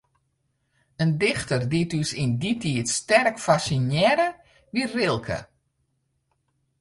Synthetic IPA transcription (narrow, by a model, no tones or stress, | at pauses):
əndɪxtərditysinditʰiətstɛrkfasinjɛɾə | ʋirɪlˠkʰə̰